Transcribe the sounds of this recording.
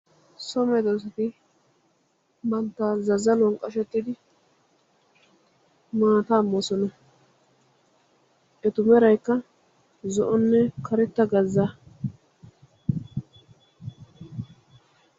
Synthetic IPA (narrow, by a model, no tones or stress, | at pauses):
sɔmɛd̪os̬ɐt̪ɪ | mɐnt̪ːaːzɐzɐlɔŋkʼːɐʃɛt̪ːɪd̪ɪ | maːt̪ɐːmːɔsɔnɐ | ʔɛt̪ʊmɛɾɐjkːɐ | zɔʔɔnːɛkʰɐɾɛt̪ːɐɡɐzːɐ